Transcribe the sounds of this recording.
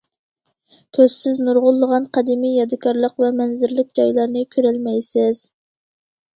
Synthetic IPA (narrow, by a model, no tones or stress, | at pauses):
k̪ʲʰøzsɪznuɾʁʊlˠːəʁɑnqʰɑd̪imijjɑd̪ɨkʰɑɾlˠəqvɛmɛnzɪɾlɪk̚ʲd͡ʒɑjlˠɑɾnɨkʲʰøɾælmɛjsɪz̥